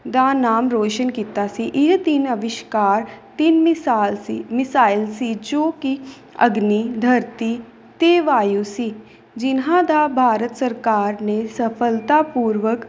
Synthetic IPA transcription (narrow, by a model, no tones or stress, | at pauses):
d̪aːnaːmɾoːʃənkiːt̪asiʔɪt̪ɪnəʋɪʃkaːɾt̪ɪnaːlsimɪsaːɪlsid͡ʒoːki | ə̰ɡniːd̪ʱəɾt̪i | t̪eːʋaːjusi | d͡ʒɪnɦãd̪abʱaːɾət̪səɾkaːɾnesəpʰəlt̪aːpuːɾʋək